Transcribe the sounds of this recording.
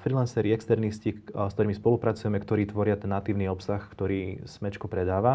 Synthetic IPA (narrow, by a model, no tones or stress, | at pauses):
fɾilansɛɾiɛkst̪ɛɾniscist̪ɔɾiːmispɔlupɾat͡sujɛmɛkt̪ɔɾiːt̪ʋɔɾɪat̪ɛnːat̪iːʊniɔpsaxkt̪ɔɾiːsmɛt͡ʃkupɾɛd̪aːʋa